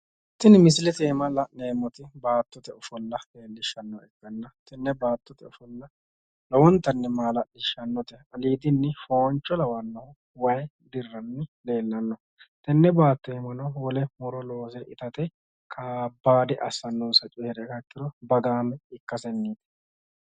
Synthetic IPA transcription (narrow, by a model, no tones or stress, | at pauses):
t̪ːɪnmɪs̬ɪlɛt̪eːmɐlɐneːmːɔt̪ɪbaːt̪ːɔt̪ɛɔfɔlːɐeːlːɪʃːɐnːɔɛkːɐnːɐt̪ɛnːɛbaːt̪ːɔt̪ɛɔfɔlːɐ | lɔwɔnt̪ːɐnːɛmaːlɐlɪʃːɐnːɔt̪ɛɐliːd̪ɪnːɪfo̞ːnt͡ʃːɔlɐwɐnːɐhʊ | wɐj | d̪ɪrːɐnːɪle̞ːlːɐnːɔ | t̪ɛnːɛbaːt̪ːɔɛmɐnɐwɔlɛmɔɾɔlo̞ːsɛʔɪt̪ɐt̪ɛ | kʰaːbːaːd̪ɛʔɐ̰sːɐnːɔːsɐt͡ʃʼeːɾɛkɐkːɪɾɔbɐɡaːmɛɪkːɐsɛnːiːt̪ɛ̥